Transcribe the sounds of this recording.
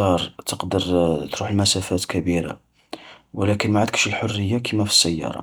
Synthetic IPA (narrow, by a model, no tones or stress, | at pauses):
ɑɾˤt̪əqd̪əɾt̪ɾuħəlmæsæfæt̪kæbiɾa̰ | wəlækənmaʕad̪əkə̥ʃəlħorːəjːakimæfi̥sːæjːɑ̰ɾˤɑ̰